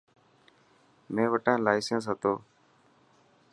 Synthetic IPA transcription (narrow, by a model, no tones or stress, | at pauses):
mẽːʋəʈãːlaːɪsəns̬ɦət̪oː